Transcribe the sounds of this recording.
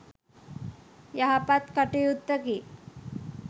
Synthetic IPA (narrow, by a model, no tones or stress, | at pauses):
jaɦapat̪kəʈejut̪ːəki